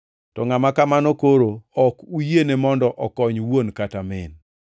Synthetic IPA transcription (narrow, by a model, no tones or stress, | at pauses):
tɔŋamakamanokoɾoɔkujenemɔndɔʔɔkɔɲwonkatamɪn